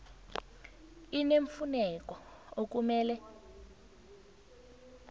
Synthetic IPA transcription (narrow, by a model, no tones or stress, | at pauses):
ineɱfunɛkɔok̬ʼumɛːlɛ